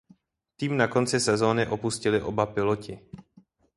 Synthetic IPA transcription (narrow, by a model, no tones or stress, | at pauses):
t̪iːmnako̞nt͡sɪsɛzo̞ːnɪʔo̞puscɪlɪʔo̞̰bapɪlo̞cɪ